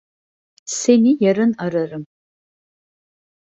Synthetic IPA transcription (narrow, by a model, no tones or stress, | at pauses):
senijaɾɨnaɾarɨm